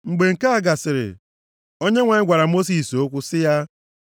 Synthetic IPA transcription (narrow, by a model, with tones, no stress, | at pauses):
ŋ͡m̩˨ɡ͡be˨ŋ̩˨ka˦a˨ɡa˨sɪ˨ɾɪ̰˨ | o˦ɲe˦ŋʷa˨ɪ˦ɡʷa˨ɾa˨mo˦s̬i˨so˦kʷʊ˦sɪ˦ja˦